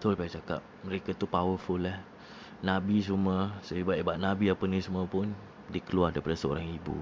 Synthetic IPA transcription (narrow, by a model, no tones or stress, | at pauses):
t̪ʊlpaat͡ʃaka̰p̚məɾekat̪upawəfʊlːah | nãbis̬uməsəibaʔibaʔ̚nabiapənĩsuməpʊn | dikəluardaɾipadasəo̰ɾaŋibṵ